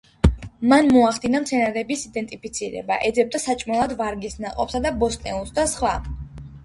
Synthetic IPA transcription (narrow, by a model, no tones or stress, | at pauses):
manmɔaχd̪inamt̪sʰɛnaɾɛbisid̪ɛnt̪ʼipʰit̪sʰiɾɛ̰ba̰ʔɛd̪zɛb̚d̪asat͡ʃʼmɔlˠad̪vaɾɡisnaqʼɔ̰psad̪abɔst̪ʼnɛ̰ulˠsd̪asχwa